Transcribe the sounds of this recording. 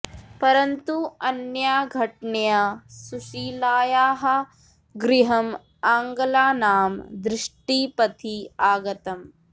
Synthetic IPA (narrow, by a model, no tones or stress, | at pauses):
pɐɾɐnt̪uɐnjaːɡʱɐʈɳejasuʃiːlaːjaːɦɐ̆ | ɡɾiɦɐm | aːŋɡɐlaːnaːmd̪ɾɪʂʈiːpɐt̪ʰiaːɡɐt̪ɐm